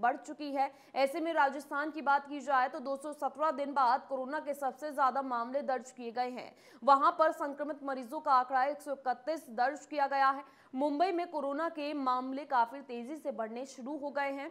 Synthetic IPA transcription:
bɐɽ̤t͡ʃʊkiɦɛː | ɛːsemẽɾaːd͡ʒəst̪ʰaːnkibaːt̪kid͡ʒaːet̪od̪oːsɔsɐt̪ɾad̪ɪnbaːd̪̚koːɾoːnakesɐbsezjaːd̪amaːmled̪ɐɾʃkieɡɐeɦɛ̰̃ː | ʋɐɦãpɐɾsɐ̃ŋkɾəmɪt̪mɐɾiːzõkaaːkɽaeːksɔɪkət̪ːiːsd̪ɐɾt͡ʃkijaɡɐjaɦɛː | mʊ̃mbəimẽkoːɾoːnakemaːmlekaːfɪɾt̪eːzisebɐɽ̤neʃʊɾuɦoɡɐeɦɛ̃ː

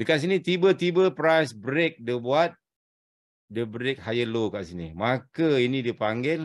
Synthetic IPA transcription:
dəkaʔs̬init̪ibət̪ibəpɾajsbɾek̚dəbuat̪̚ | dəbɾek̚hajəlokaʔsinḭmakəinĩdipaŋɡɪl

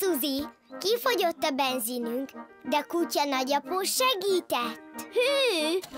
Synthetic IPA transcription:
suzi | kifo̞ɟo̞t̪ːɒbɛnziːnyŋk | d̪ɛkucɒnɒɟɒpoːʃɛɡiːt̪ɛt̪ːhy

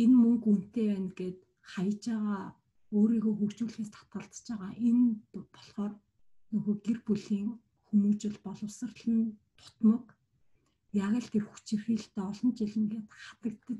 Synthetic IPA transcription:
enmɵŋkun̥t̪eːwæːnɡeːt̪ | χajə̆t͡ɕaːʁaː | oːɾiːɣoːxɵkt͡ɕuːɮxeːst̪ʰḁt̪̚ɢə̆ɮt͡st͡ɕæːʁaːʔenpɔ̥ɮχɔːr | nɵɣoːɡerpuɮiːŋ | xumuːt͡ɕɪ̆ɮpɔɮɞ̆wsə̆rɮɘ̆nt̪ʰʊ̥t̪mɞ̆k | jaɣə̆ɮt̪ʰerxu̥t͡ɕirxiːɬt̪eːɔɮɞ̆nt͡ɕiɮɘ̆ŋɡeːt̪χat̪ə̆k̚t̪ɘ̆k

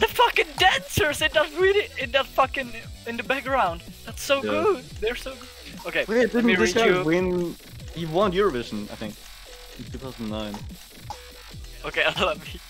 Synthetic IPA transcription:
ðəfʌkɨ̃ndæ̃nsə˞zɨ̃nðət̚wiɾɪɪ̃nðətfʌkɪ̃nɪ̃nðəbæk̚ɡɹãʊ̃nd | ðætsoʊɡʊd̚ðə˞soʊɡʊd̥̚ | oʊkeɪwɛɨt̚d̥ɪdⁿn̩ɹɪskawɪ̃n | hiwɑ̃nnjʊɹəvɪʒə̃n̩a̰ɪθɪ̰̃ŋk | ntʰʉθaʊzn̩nãɪ̃n | oʊkʰeɪaɪlʌvmi

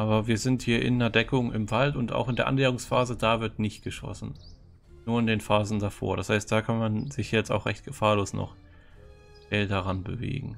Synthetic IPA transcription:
ʔaːβɐviːɐzɪnthiːɐʔɪ̰nːɐdɛkʊŋɪ̰mvaltʊnta̰ʊxɪndeːɐʔa̰nleːʁʊŋsfaːzədaːvɪɐtnɪçt̚ɡ̥əʃɔ̰sn̩ | nuːɐɪndeːnfaːzn̩dafo̰ːɐɾashaɪst̚d̥aːkʰanmanzɪçɛt͡sta̰ʊxʁɛçt̚ɡ̥əfaːɐloːsnɔ̰χ | v̥ɛl̚daʁanbə̰vḛːɡŋ̩

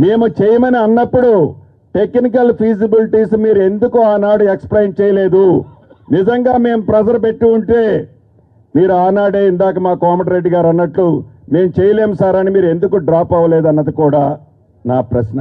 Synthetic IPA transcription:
me̞ːmut͡ʃɛjɐmɐniɐnːɐpːuɽu | ʈe̞kːnik̬ɐlpʰiːd͡ʒibiliʈiːsmiːɾue̞nd̪ukuaːnaːɽueksplɐjnt͡ʃɛːjɐle̞ːd̪u | nid͡ʒɐŋɡaːme̞ːmpɾɐd͡ʒɐɾpe̞ʈːiːɳʈe̞ː | miːɾuaːnaːɽeːind̪aːk̬ɐmaːkaːmɐʈɾe̞ɖːiɡaːɾɐnːɐʈlume̞ːmut͡ʃejɐleːmsaːɾɐnimiːɾue̞nd̪ukuɖɾaːpɐʋɐleːd̪uɐnːɐd̪ikuːɽaː | naːpɾɐsnɐ

